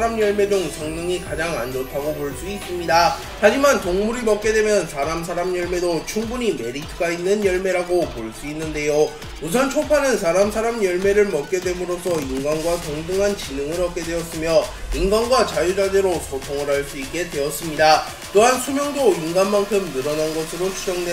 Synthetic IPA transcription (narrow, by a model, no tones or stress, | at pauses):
ɾamjʌɭme̞d͡ʑoŋsʰʌŋnɯŋikad͡ʑaŋand͡ʑotʰaɡopoɭs͈uis͈ɯmɲida | had͡ʑimantoŋmuɾimʌk͈̚e̞dwe̞mjʌnsʰaɾams̬ʰaɾamjʌɭme̞dot͡ɕʰuŋbuɲime̞ɾitʰɡ͈ainːɯnjʌɭme̞ɾaɡopoɭs͈uinːɯnde̞jo | mus̬ʰʌnt͡ɕʰopʰanɯns̬ʰaɾamsʰaɾamjʌɭme̞ɾɯɭmʌk̚k͈e̞dwe̞mɯɾosʰʌinɡanɡwatoŋbuŋɦant͡ɕinɯŋɯɾʌp̚k͈e̞dwe̞ʌs͈ɯmjʌinɡanɡwat͡ɕajud͡ʑadeɾosʰotʰoŋɯɾɦaɭs͈uik͈e̞dwe̞ʌs͈ɯmɲida | t͈oɦansʰumjʌŋdoinɡanmankʰɯmnɯɾʌnanɡʌsʰɯɾot͡ɕʰud͡ʑʌŋde